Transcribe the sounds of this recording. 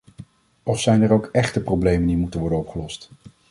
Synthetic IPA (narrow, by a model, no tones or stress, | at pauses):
ɔfsɛjnɛrowkɛχtəprowblejməndimutənʋɔɹdənɔpχəlɔst